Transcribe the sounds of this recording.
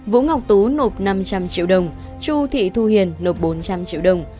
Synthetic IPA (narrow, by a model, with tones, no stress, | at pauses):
vṵ˧˥ŋa˨˩wk͡p̚t̪u˨˦no˨˩p̚na˧mt͡ɕa˧mt͡ɕḭ˧əwɗə˨˧˩wŋ͡m | t͡ɕu˧t̪ʰḭ˧˨t̪ʰu˧hi˨˩ənːo˨˩p̚ɓo˨˦nt͡ɕa˧mt͡ɕḭ˧˨əwɗə˧˩wŋ͡m